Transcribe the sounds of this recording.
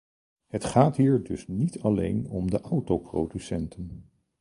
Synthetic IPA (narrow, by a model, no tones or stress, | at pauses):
ɦətχaːtɦiːɹdɵsnitɑlḛjnɔmdəʔawtowprowdysɛntʰən